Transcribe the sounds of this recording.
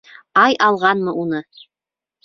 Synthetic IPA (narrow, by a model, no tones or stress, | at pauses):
ɑjʔɑlˠʁɑnmɤunɤ